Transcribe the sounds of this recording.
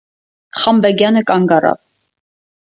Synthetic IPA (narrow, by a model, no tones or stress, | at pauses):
χɑmbɛɡjɑnəkʼɑŋɡɑɾɑ̰v